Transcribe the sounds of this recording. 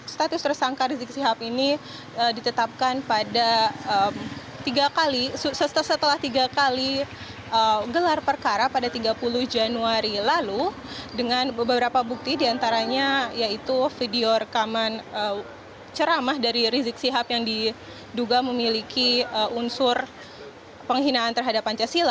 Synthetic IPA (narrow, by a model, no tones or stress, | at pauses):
st̪at̪ʊst̪ərsaŋkaɾizɪk̚siɦapini | ədit̪ət̪ap̚kanpadaəm | t̪iɡakalisusət̪əsət̪əlaht̪iɡakali | ʔəɡəlarpərkaɾapadat̪iɡapuluhd͡ʒanuaɾilalu | dəŋanbəbəbəɾapabuk̚t̪idiant̪aɾaɲajait̪ufideoɾəkamanə | t͡ʃəɾamahdaɾiɾizɪk̚siɦapjaŋdi | duɡaməmilikʰiəʔunsʊr | pəŋɦinaːnt̪ərɦadapant͡ʃasila